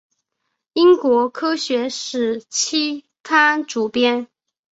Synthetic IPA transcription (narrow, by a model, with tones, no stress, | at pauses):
i˥ŋkwɔ˧˥kʰɤ˥ɕɥɛ˧˥ʂɻ̩˨˩t͡ɕʰi˥ | fʰa˥ʈ͡ʂu˨˩pjɛ˥n